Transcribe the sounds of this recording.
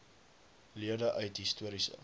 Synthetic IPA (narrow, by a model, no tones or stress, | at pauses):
liədəʔœɥtɦistuəɾisə̰